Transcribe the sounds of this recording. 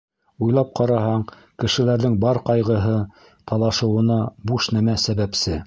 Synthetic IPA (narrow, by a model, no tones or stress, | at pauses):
ujlˠɑp̚qʰɑɾɑhɑɴ | kɘ̆ʃɘ̆læɾðɘŋbɑɾqɑjʁɤ̆ɦɤ | t̪ʰɑlˠɑʃɤ̆wɤ̆nɑbuʃnæmæsæβæpsɘ